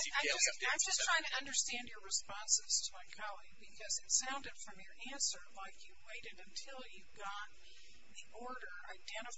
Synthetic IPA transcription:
ãɪd͡ʒʌsãɪ̃md͡ʒʌstʰɹ̥aɪɪ̃ŋtʰɨʌ̃ndə˞stæ̃ndjə˞ɹɨspɑ̃nsɨz̥tʰəmaɪkʰɑlˠiɡ̚bɨkʰʌzɨtsãʊ̃ndɨd̥fɹʌ̃mjə˞ʔæ̃nsə˞laɪkʰjɨweɪɾɨɾɨ̃ntʰɪlˠjʉɡɑt̪̚ | ðiʔɔɹɾə˞a̰ɪdɛ̃ɾ̃ɨ

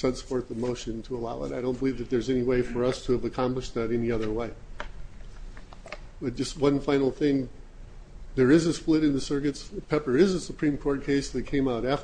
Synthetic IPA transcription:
sɛ̃nsfɔɹt̪̚ðəmoʊʃɨ̃ntʰəəlaʊə̰ɾaɪɾõʊ̃nb̥əlivðɨt̪̚ðə˞zɛniweɪfə˞ʌstʰɨːvɨkʰɑ̃mplɨʃ̚ðɨɾɛ̃niʌðə˞weɪ | b̥ʌt̚d̥ʒ̥ʌst̚wʌ̃nfãɪ̃nl̩ˠθɪ̃ŋ | ðə˞ɪzɨsplɪɾɨ̃nðɨsɜ˞kɨtspʰɛpə˞ɪzɨsəpʰɹ̥ĩmkʰɔɹt̚kʰeɪsðɨt̚kʰẽɪ̃maʊɾæf

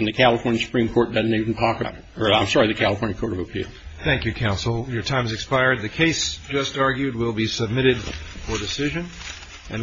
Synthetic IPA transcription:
ɨ̃nðɨkʰælˠəfɔɹnjɨ̃nsə̥pʰɹĩmkʰɔɹt̚d̥ʌzⁿn̩ivn̩tʰɔkə̰ɾ | ə˞ãɪ̃msɑɹiðɨkʰælˠəfɔɹnjɨ̃kʰɔɹɾʌvəpʰḭlˠθæ̃ŋkjʉkʰãʊ̃nsl̩ˠjə˞tʰãɪ̃mzɨkspaɪɹd̪̚ðɨkʰeɪsd̥ʒ̥ʌstɑɹɡjʉd̚wɪlˠbisɨb̚mɪɾɨdfə˞dɨsɪʒɨ̃n | ɨ̃n

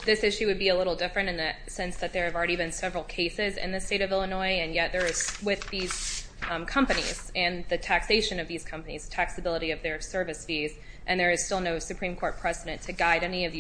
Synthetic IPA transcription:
ðɪsɪʃʉwɨd̚biɨlɪɾl̩ˠdɪfɹɨ̃ñɨ̃nðɨ | sɛ̃nsðɨt̪̚ðə˞ɨvl̩ˠɹɛɾibɨ̃nsɛvɹl̩ˠkʰeɪsɪzɪ̰̃nðɨsteɪɾʌvɪlˠənɔɪɨ̃njɛt̪̚ðə˞ɨz̥wɪðiz̥ | kʰʌ̃mpɨnḭz̥ɨ̃nðɨtʰækseɪʃɨ̃nʌvðiz̥kʰʌ̃mpɨniz̥tʰæksɨbɪlˠəɾiʌvðə˞sɜ˞vɨsfiz | ʔɨ̃nðə˞ɨz̥stɪlˠnoʊsɨpʰɹ̥ĩmkʰɔɹt̚pʰɹ̥ɛzɨɾɨ̃ntʰɨɡaɪɾɛniʌvð

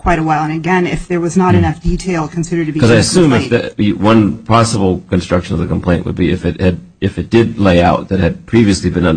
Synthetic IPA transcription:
kʰw̥aɪɾəwaɪlˠə̃nɨɡɛ̃nɪfðə˞wʌznəɾɨnʌfd̥itʰeɪlˠkʰn̩sɪɾə˞d̚tʰɨbikʌzaɪɨsʉ̃mɨfðɨwʌ̃npʰɑsəbl̩ˠkɨ̃n̩stɹ̥ʌkʃɨ̃nʌvðɨkm̩pʰl̥ẽɪ̃nʔwə̰d̚biɨ̰fɨt̚hɨd̚ | ɨfɨt̚d̥ɪdˡleɪaʊt̪̚ðɨt̚hɨd̚pʰɹ̥iviɨslibɨ̃nʌ̃n

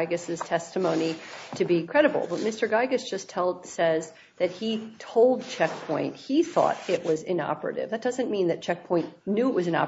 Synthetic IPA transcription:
ɪɡɨsɨz̥tʰɛstɨmõʊ̃niɾɨbikʰɹ̥ɛɾɨbl̩ˠbʌt̚mɪstə˞ɡaɪɡɨsd̥ʒ̥ʌstʰɛlˠdsɛz | ðɨt̚hitʰoʊlˠd̚t͡ʃʰɛk̚pʰɔ̃ɪ̃nt̚hiθɔ̰ɾɪʔwʌzɪ̰̃nɑ̰pə˞ɨ̰ɾɪ̰vðɨt̚d̥ʌzɨ̃nmĩnðɨt̚t͡ʃʰɛk̚pʰɔ̃ɪ̃nnʉɨʔ̚wʌzɨ̃nɑ̰

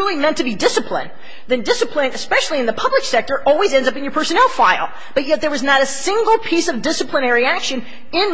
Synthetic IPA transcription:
ɪlˠimɛ̃ntʰɨbidɪsɨpʰlɪ̰̃n | ðɨ̃ndɪsɨpʰlɪ̃nɨspɛʃl̩ˠiɨ̃nðəpʰʌbləksɛk̚tə˞ʔɔlˠwizɛ̃ndzʌpɨ̃njə˞pʰɜ˞sɨnɛlˠfaɪlˠ | b̥ʌt̚jɛt̪̚ðə˞wʌznəɾɨsɪ̃ŋɡl̩ˠpʰisʌvdɪsəpʰlə̃nɛɹiækʃɨ̃n | ɪ̃n

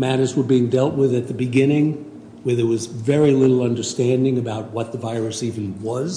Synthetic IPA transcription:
mæɾə˞zwə˞biɪ̃ŋdɛlˠt̚wɪðɨt̪̚ðɨbɨɡɪ̃nɪ̃ŋ | wə˞ðəwʌzvɛɹilɪɾl̩ˠʌ̃ndə˞stæ̃ndɪ̃ŋɨbaʊt̚wʌt̪̚ðəvaɪɹɨsivɨ̃n̩wʌz̥

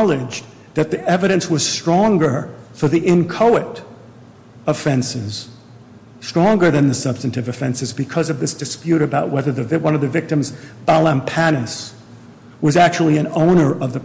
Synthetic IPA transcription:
lˠɪd͡ʒ | ðɨt̪̚ðiʔɛvɨɾɨ̃nswʌz̥stɹ̥ɔ̃ŋɡə˞fə˞ðiʔɪ̃nkʰoʊɨɾ | əfɛ̃nsɪz̥ | stɹ̥ɔ̃ŋɡə˞ðɨ̃nðɨsʌb̥stɨ̃n̩tɨvɨfɛ̃nsɨzbɨkʰʌzʌvðɪsd̥ɨspjʉɾɨbaʊʔ̚wɛðə˞ðɨvwʌ̃nʌvðɨvɪk̚tɨ̃mzb̥ælˠə̃mpʰænɨs | wʌzæk̚t͡ʃul̩ˠiɨ̃nõʊ̃nə˞ʔʌvðɨ

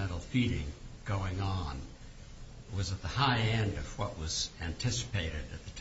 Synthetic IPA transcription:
ɛ̃ɾl̩ˠfiɾɪ̰̃ŋɡ̥oʊɪ̃ŋə̃n | wʌzɨt̪̚ðəhaɪɛ̃ndʌv̥wʌʔwʌzæ̃ntʰɪsɨ̥pʰeɪɾɨɾɨt̪̚ðɨtʰ

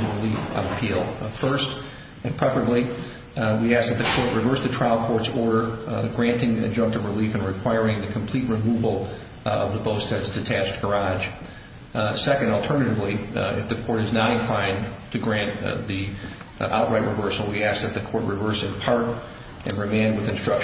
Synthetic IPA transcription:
ɹɨlifə̰̃nɨpʰilˠfɜ˞st | ɨ̃npʰɹ̥ɛfə˞ɨ̃bli | wiæsk̚ðɨt̪̚ðɨkʰɔɹʔ̚ɹɨvɜ˞sðɨtʰɹ̥aɪlˠkʰɔɹtsɔɹɾə˞ɡɹæ̃ntɪ̃ŋɨ̰d͡ʒʌ̃ŋk̚tʌvɹɨlifɨ̃nɹɨkʰw̥aɪɹɪ̃ŋðɨkʰm̩pʰl̥it̚ɹɨmuvl̩ˠ | ʌ̰vðəboʊstʰɛdz̥tʰɨtʰæsɡ̥ə˞ɑ̥ʒ̥ | sɛkɨ̃n̩dl̩ˠtʰɜ˞nɨɾɨvliɪ̰fðɨkʰɔɹɾɨznəɾɨ̃nkʰl̥ãɪ̃ntʰɨɡɹæ̃nði | ʔa̰ʊʔ̚ɹaɪʔ̚ɹʔɨvɜ˞sl̩ˠwiæsk̚ðɨt̪̚ðɨkʰɔɹʔ̚ɹɨvɜ˞sɨ̃npʰɑɹɾ | ʔɨ̃nɹɨmẽɪ̃nwɨðɨ̃nstɹ̥ʌkʃ

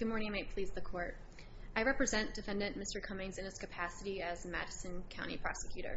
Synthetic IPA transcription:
ɡ̥ʊd̚mɔɹnɪ̃ŋaɪmaɪpʰl̥izðɨkʰɔɹt̚ | aɪɹɛpɹɨzɛ̃nd̥ɨfɛ̃ndɨ̃nmɪstə˞kʰʌ̃mɪ̃nzɨ̃nɨtskɨpʰæsɨɾiɨzmæ̰ɾɨsɨ̃nkʰãʊ̃ɾ̃ḭpʰɹ̥ɑ̰sɨ̥kʰj̥ʉɾə̰˞

